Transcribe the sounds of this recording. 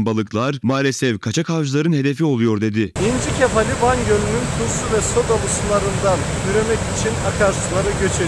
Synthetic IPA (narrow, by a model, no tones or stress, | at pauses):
mbalˠɯklˠaɾmaːlʲesɛfkʰat͡ʃʰakʰavʒɯlˠaɾɯnɦe̞d̪e̞fio̞lˠujo̞ɾd̪e̞d̪ɪind͡ʒicʰefalʲivanjønynynt̪ʰuɾsuvɛso̞d̪ovusulˠaɾɯnd̪an | yɾemɛcit͡ʃʰinakʰaɾsulˠaɾɯɟø̞t͡ʃʰe